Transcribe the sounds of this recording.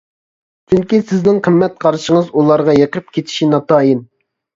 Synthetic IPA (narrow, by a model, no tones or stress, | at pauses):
t͡ʃʰyŋkʲisɪznɪŋqʰəmːɛt̪̚qʰɑɾɨʃiŋəzulˠɑɾʁɑjeqʰɾɨp̚kʲʰet̪ʰi̥ʃinɑt̪ʰɑːjin